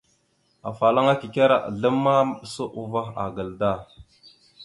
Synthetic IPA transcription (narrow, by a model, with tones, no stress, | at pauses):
a̰˨fa˨la˦ŋa˦ki˨ka˦ɾa̰˨ʔɮə˦mːa˦m˨ɗə˨sə˦ʔu˨va˦xa̰˨ɡə˨lda˦˨